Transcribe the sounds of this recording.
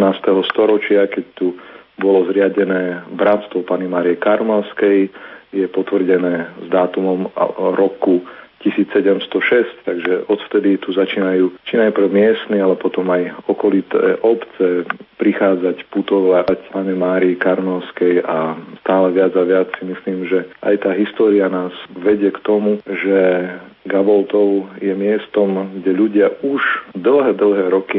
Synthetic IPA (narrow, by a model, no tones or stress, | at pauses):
naːst̪ɛɦɔst̪ɔɾɔt͡ʃɪakɛct̪u | bɔlɔzɾɪaɟɛnɛːbɾat̪st̪ʋɔpaɲimaːɾijɛkaɾmɛlskɛjjɛpɔt̪ʋr̩ɟɛnɛːzd̪aːt̪umɔmɾɔkucisiːt͡ssɛɟɛmst̪ɔʃɛsct̪aɡʒɛʔɔt̪ft̪ɛd̪it̪uzat͡ʃiːnajuːt͡ʃinajpɾ̩wmɪɛst̪nialɛpɔt̪ɔmajɔkɔlit̪ɛ̰ːʔɔpt͡sɛpɾixaːd͡zacput̪ɔʋlaacpaɲɛmaːɾiikaɾnɔʊskɛjast̪aːlɛʋɪad͡zaʋɪat͡ssimisliːmʒɛʔa̰jt̪aːɦist̪ɔːɾianaːzʋɛɟɪɛkt̪ɔmuʒɛ | ɡabɔlt̪ɔʊjɛmɪɛst̪ɔmɡɟɛʎuɟɪauʒd̪l̩ˠɦɛːd̪l̩ˠɦɛːɾɔki